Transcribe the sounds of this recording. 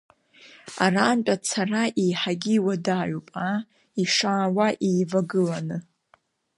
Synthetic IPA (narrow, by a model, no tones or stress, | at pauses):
araːmt͡pʼat͡sʰaraʔejħaɡʲiːwadaːɥupʼa | iʂaːwaʔeːvaɡɨlanɨ